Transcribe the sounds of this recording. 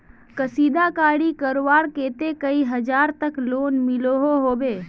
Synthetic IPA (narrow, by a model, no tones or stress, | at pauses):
kəsiːd̪akaːɽikəɾowaːɾkeːt̪ekəiɦəd͡ʒaːɾt̪əkloːnmɪloɦoɦoːbeː